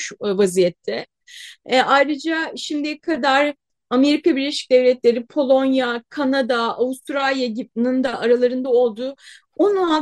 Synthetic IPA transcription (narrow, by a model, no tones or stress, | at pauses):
vazijɛt̪ʰːɛ | ʔajɾɯd͡ʒaʃimd̪ikʰad̪aɾ | ame̞ɾikabiɾlʲeʃi̥c̚d̪ɛvlʲɛt̪lʲe̞ɾipʰo̞lˠo̞njakʰanad̪aavust̪ɾalʲjaɟibnɯnd̪aʔaɾalˠaɾɯnd̪ao̞lˠd̪uː | una